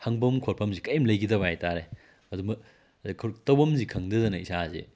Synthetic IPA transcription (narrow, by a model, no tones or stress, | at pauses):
hɐŋbɐmkʰoɾpʰɐmzikɐjmlɐjɡidɐβɐajtaɾe | ɐdumbɐ | kʰtɐwbɐmzikʰɐŋdɐdɐnɐisazḛ